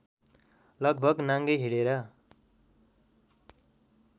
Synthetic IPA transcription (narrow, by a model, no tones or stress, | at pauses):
lʌɡ̚bʱʌɡnaŋɡʌjɦiɽeɾʌ